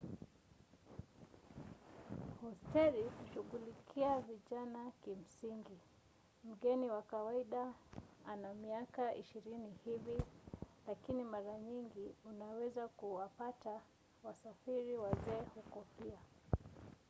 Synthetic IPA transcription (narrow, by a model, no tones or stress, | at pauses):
hɔstɛɾihuʃuɠulikʰiaviʄanakim̩siŋɡi | m̩ɠɛniwakawaiɗaanamiakaʔḭʃiɾinihivilakinimaɾaɲiŋɡiunawɛzakuwapata | wasafiɾiwazɛːhukɔpia